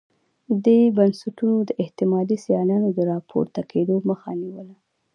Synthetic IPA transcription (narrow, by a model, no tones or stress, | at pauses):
d̪ujbənsaʈunod̪əʔɪht̪ɪmɑd̪isijɑnɑnod̪əɾɑpʰo̰ɾt̪akʰed̪oməxa̰niwəla